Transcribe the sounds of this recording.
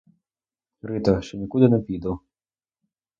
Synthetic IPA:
ɾɪt̪ɔʃt͡ʃɔnʲikud̪ɪnɛpʲid̪ɔw

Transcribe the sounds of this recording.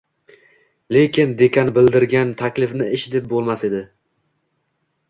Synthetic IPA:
le̞kʲʰɪnd̪ekʲʰanbɪld̪ɪɾɡʲant̪ʰakʲlɪfnɪɪʃɪd̪ɪp̚bolˠmase̞d̪ɪ

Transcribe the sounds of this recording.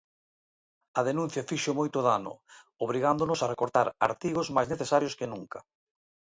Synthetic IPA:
ɐðenũn̟θjɐfiʃomojt̪oðanʊ̰ | oβɾiɣand̪onʊsarekoɾt̪aɾa̰ɾt̪iɣozmajzneθesaɾjoskɪnuŋkɐ

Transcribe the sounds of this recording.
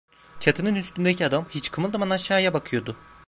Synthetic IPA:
t͡ʃʰat̪ʰɯnɯnyst̪ynd̪ecʰiad̪amhit͡ʃkʰɯmɯlˠd̪amanaʃaːjabakʰɯjo̞d̪ʊ

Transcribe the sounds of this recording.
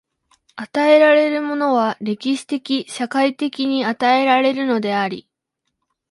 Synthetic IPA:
at̪ae̞ɾaɾe̞ɾɯ̟mo̞no̞β̞aɾe̞kʲiɕi̥t̪e̞kʲiɕakait̪e̞kʲiɲ̟iat̪ae̞ɾaɾe̞ɾɯ̟no̞d̪e̞aɾʲḭ

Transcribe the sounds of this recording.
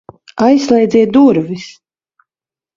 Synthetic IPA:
ajslˠɛjd̪zɛt̪̚d̪uɾvis

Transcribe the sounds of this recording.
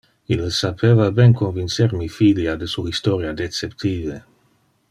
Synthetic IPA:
ilsapʰevabɛnkonvint͡seɾmifiljad̪esuist̪oɾjad̪et͡sept̪ʰiːve

